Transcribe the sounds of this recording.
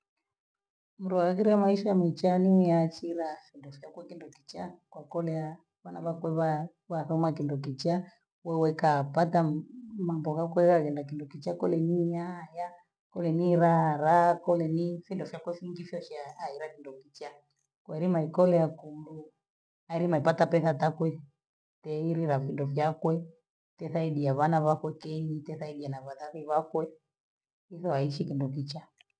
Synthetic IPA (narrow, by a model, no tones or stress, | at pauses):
m̩ɾuaɣiɾiamaiʃaamit͡ʃaniijat͡ʃiɾafindɔfiakwɛkindɔki̥t͡ʃakwakɔlɛa | βanaβakwɛβa | βaθɔmakindɔk̬it͡ʃa | wɛwɛkapatamambɔkakwɛkakɛndakindɔkit͡ʃakɔlɛnijaja | kɔlɛniɾaɾakɔlɛnifindɔfjakwɛfiŋɡifjɔʃaiɾakindɔkit͡ʃa | kwɛɾimaikɔlɛakundu | aiɾimaipatapɛθatakwɛ | tɛiɾiɾafindɔfjakwɛ | tɛθaiɗiaβanaβakwɛkɛɲitɛθaiɗianaβaðaɾiβakwɛ | iθɔaiʃikindɔk̬it͡ʃa